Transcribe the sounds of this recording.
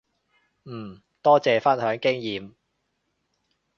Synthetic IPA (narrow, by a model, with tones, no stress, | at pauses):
m̩ː˨˩ | t̪ɔː˥t͡sɛː˨fɐ˥nhœː˨˥ŋkɪ˥ŋjiː˨˩m